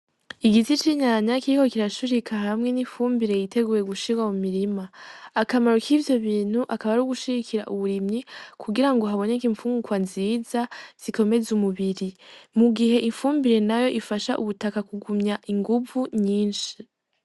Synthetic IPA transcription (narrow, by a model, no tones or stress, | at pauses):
iɡitit͡ʃiɲaɲakiɾiko̞kiɾaʃuɾikʰaɦamŋe̞niɱfuːmbiɾe̞jitʰe̞ɡuːje̞ɡuʃiɡwamumiɾimaːkamaɾokʰivjo̞βiːn̥huʔakaβaɾuɡuʃiɡikʰiɾa̰ʔuβuɾimɲikʰuɡiɾaŋɡo̞ɦaβo̞nekiɱfuːŋɡukwanziːzaz̥ikʰo̞me̞zumuβiɾimuɡiɦe̞ʔiɱfuːmbiɾe̞najo̞ʔifaʃaʔuβutakakuɡumɲaʔiŋɡuvuɲiːnʃi